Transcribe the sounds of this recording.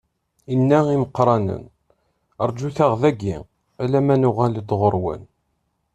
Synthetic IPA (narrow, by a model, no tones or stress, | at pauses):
inːæiməqːɾˤɑnə̰n | əɾˤd͡ʒuθaʁðæɡḭ | ælæmænʊʁæləd̪ʁəɾˤwə̰n